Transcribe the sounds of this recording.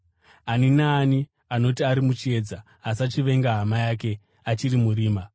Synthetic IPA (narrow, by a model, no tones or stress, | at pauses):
aninaːni | ano̞t̬iaɾimut͡ʃie̞ːd͡za | asat͡ʃiʋe̞ŋɡaɦamajaːk̬e̞ | at͡ʃiɾimuriːma